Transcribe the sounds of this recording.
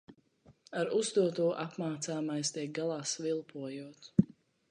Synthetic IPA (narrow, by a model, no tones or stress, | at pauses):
aɾuzd̪uɔt̪uɔʔapmaːt̪saːmajst̪ʲiɛk̚ɡalˠaːsvilˠpʰuɔjuɔt̪